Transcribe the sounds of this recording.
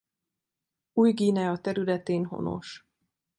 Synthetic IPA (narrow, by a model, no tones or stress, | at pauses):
uːjɡiːnɛɒt̪ɛɾylɛt̪eːnɦo̞̰no̞̰ʃ